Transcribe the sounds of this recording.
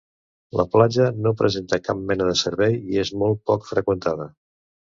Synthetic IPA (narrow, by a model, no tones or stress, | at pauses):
lʔə̰plad͡ʒənopɾəzent̪əkap̚mɛnəðəsəɾβɛjiezmolˠt̪̚pɔkfɾəkwənt̪aðə